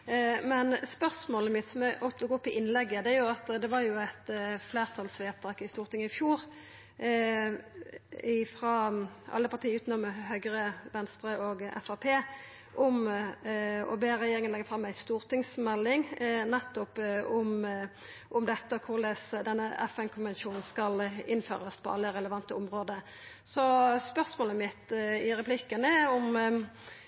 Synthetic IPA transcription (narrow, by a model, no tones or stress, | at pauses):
mɛnspœʁsmoːləmɪt̪sɔmæʔɔpt̪ɔɡoːɔpːɪʔɪnːlɛɡːəd̪ɛæɾjʊɑt̪d̪ɛʋɑɾjʊæɪt̪fleːʁt̪ʰɑlsʋeːt̪ʰɑːkɪst̪uːʁt̪ɪŋːəɪfjuːɾ | ɪfɾɑʔɑ̰lːəpɑʁt̪ʰiːəʉːt̪nɔməɦœʏɡɾəʋɛnst̪ɾəʔɔɡɛ̰fɑpʰeː | ʔɔm | ɔ̰beːɾɛjeːɾɪŋənlɛɡəfʁɑmæɪst̪uːʁt̪ɪŋsmɛlːɪŋnɛt̪ːɔpʊm | ʔʊmd̪ɛt̪ːəkʰʊɾlɛsd̪ɛnːəɛ̰fɛnkʰʊnʋɛnʃuːnn̩skɑlɪnːfø̰ːʁəspʰɔ̰ɑ̰lːəɾɛləʋɑnt̪əʊmʁoːd̪ə | sɔspœʁsmoːləmɪt̪ːɪɾɛpʰlɪkːənəʊm